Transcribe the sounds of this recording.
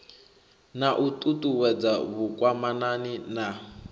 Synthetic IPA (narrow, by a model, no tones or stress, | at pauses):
naʔutʼutʼuwɛd͡zaβukwamananina